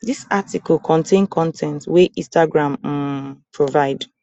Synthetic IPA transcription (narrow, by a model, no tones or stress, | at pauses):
disatikɔlkʰɔ̃ntʰẽnkʰɔ̃ntʰɛ̃ntweʔĩstaɡɹãm | pʰɹovaɪd